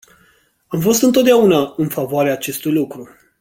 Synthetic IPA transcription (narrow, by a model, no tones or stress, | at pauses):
amfo̞st̪ɨnt̪ot̪d̪aunaɨnfavoaɾeaːt͡ʃe̞st̪ujlukɾu